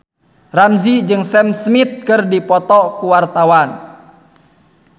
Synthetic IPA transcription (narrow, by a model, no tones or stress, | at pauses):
ramzid͡ʒɨŋsɛmsmit̪̚kɨrdipɔt̪ɔkuwart̪awan